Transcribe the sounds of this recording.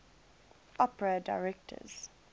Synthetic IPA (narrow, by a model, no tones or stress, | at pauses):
ʔɔpəɹədaɪɹɛk̚tʰə̰z̥